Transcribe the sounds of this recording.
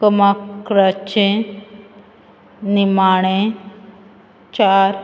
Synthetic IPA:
kəmakɾat͡ʃẽ | nimaːɽ̃ẽ | t͡ʃaɾ

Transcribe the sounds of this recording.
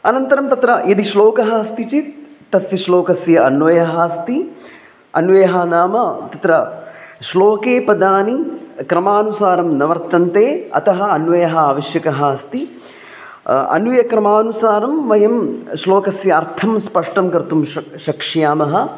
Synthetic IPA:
ɐnɐnt̪ɐɾɐmt̪ɐt̪ɾɐjɐd̪iʃloːkɐɦɐst̪it͡ʃitt̪ːɐsjɐʃloːkɐsjɐɐnʋɐjɐɦaːst̪i | ɐnʋɐjɐɦɐnaːmɐt̪ɐt̪ɾɐʃloːkeːpɐd̪aːnikɾɐmaːnusaːɾɐmnɐʋɐɾt̪ɐnt̪eːɐ̰t̪ɐɦɐ̆ɐnʋɐjɐɦɐaːʋɐʃjɐkɐɦaːst̪i | ɐ̰nujɐkɾɐmaːnusaːɾɐmʋɐjɐmʃloːkɐsjɐɐɾt̪ʰɐmspɐʂʈɐmkɐɾt̪umʃɐkʂijaːmɐɦɐ̆

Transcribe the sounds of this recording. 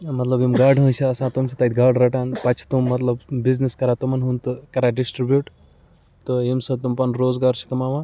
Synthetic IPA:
mɐt̪lɐbimɡaːɖɦə̃ːt͡ʃʰiɐsãːt̪umsʰɐt̪ɐt̪ʰʲɡaːɖɾɐʈanpɐt͡ʃʰt̪umːɐt̪lɐbbizniskɐɾaːt̪umɐnɦũnt̪ɨkɐɾaːɖisʈɾibjuːʈ | t̪oimsɐt̪umpɐnɾoːzɡaːɾt͡ʃʰi̥kɐmaːʋã

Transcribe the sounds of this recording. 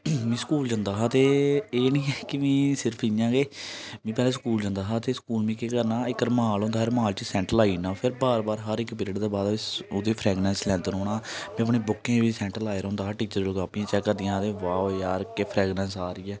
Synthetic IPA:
mĩːskuːld͡ʒə̃ːnd̪aːɦaːt̪eːeːnĩːɛːkɪʋĩːsɪɾpʰɪjãːɡeːmĩːp̬ɛːlãːskuːld͡ʒə̃nd̪aːɦaːt̪eːskuːlmĩːkeːkəɾnaːɪkəɾmɦaːlɦõːnd̪aːeɾmaːlt͡ʃisɛ̃ːɳʈəlaːiːnaːpʰɪɾbaːɾbaːɾɦəɾɪkpɪɾɪɖd̪eːbaːd̪ʊd̪eːpʰɾɛːɡɽɛ̃ːnslɛ̃ːnd̪enoːɽaːmɛ̃ːəp̬ɳeːbʊkːẽːʋiːsɛ̃ːɳʈəlaːɪɾɦõːnd̪aːɦːʈiːt͡ʃəɾlɡaːpĩãːt͡ʃɛːkːəɾd̪ɪjãːt̪ẽːʋaːojaːɾkeːpʰɾɛːɡnɛːnsaːɾiːɛː

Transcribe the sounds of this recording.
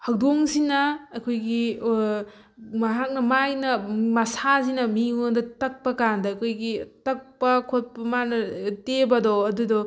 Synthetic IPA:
hɐk̚doŋsinɐːkʰojɡi | mɐɦak̚nɐmajnɐmɐsazinɐmiondɐtɐk̚pɐkandɐːkʰojɡitɐk̚pɐkʰot̚pɐmanɐtebɐdoɐdudo

